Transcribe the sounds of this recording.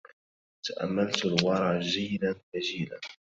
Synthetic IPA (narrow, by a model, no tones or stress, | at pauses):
t̪aʔa̰mːalt̪alwɑɾˤɑːd͡ʒiːlanfad͡ʒiːla̰n